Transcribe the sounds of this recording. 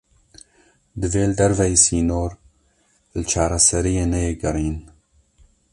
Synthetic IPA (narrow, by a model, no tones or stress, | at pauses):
d̪ɨveːld̪ɛɾvɛjsiːnoːɾ | lɨt͡ʃʰaːɾasɛɾijeːnɛjeːɡɨɾiːn